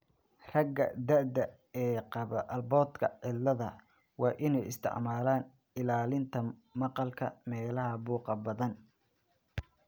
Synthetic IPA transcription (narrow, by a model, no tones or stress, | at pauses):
rɐɡɐ̰d̪ɐʕd̪ɐ | ɛːqɑβɐʔɐlbɔːd̪kʰɐʕɪlːɐðɐ | wɑːʔɪnɛjɪ̰st̪ʰɪ̰ʕmaːlaːn | ɪlaːlɪnt̪ʰɐmɑqɑlkʰɐ̰mɛːlɐɦɐbuːqɑbɐðɐn